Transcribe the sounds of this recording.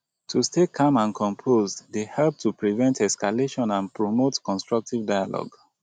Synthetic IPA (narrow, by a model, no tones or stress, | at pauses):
tʰustekʰãmãnkʰɔ̃mpʰozddehɛlp̚tupɹivɛ̃ntɛskaleʃɔ̃nãnpɹomotkɔ̃nstɹʌk̚tivdajalɔ̰ɡ